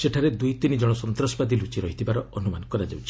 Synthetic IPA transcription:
seʈʰaɾed̪ujt̪inid͡ʒɔɽ̃ɔsɔnt̪ɾɔsɔbad̪ilut͡ʃiɾɔɦit̪ʰibaɾɔʔɔnumankɔɾad͡ʒawt͡ʃʰi̥

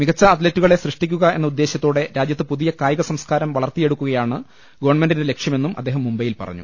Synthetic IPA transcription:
miɣɐt͡ɕːɐːt̪letːuɣɐɭe̞srɨʂʈikʲːuɣɐe̞nːɐud̪ːe̞ːɕjɐt̪ːoːɽe̞ɾaːd͡ʑjɐt̪ːɨpuðijɐkaːjɐɣɐsɐmskaːɾɐmʋɐɭɐrt̪ːije̞ɽukːuɣɐjaːɳɨ | ɡɐʋɐrɳmendindele̞kʂjɐme̞nːumʔɐ̰d̪ːeːɦɐmːumbɐjilpɐ̰rɐ̰ɲːṵ

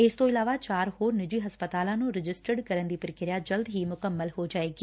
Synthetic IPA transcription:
ɪst̪õːɪlaːʋaːt͡ʃaːɾhoːɾnɪd͡ʒiːɦəspət̪aːlãːnũːɾɪd͡ʒɪsʈəɖkəɾənd̪iːpɾɪkɪɾjaːd͡ʒəld̪ɦiːmʊkəmːəlɦoːd͡ʒaːeːɡiː

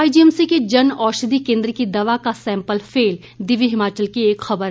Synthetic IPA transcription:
aːid͡ʒiɛmsiked͡ʒɐnɔːʃəd̪ikẽːnd̪ɾkid̪ɐʋakasɛ̃ːmpəlfʰeːl | d̪ɪʋiɦɪmaːt͡ʃəlkieːkxɐbəɾ

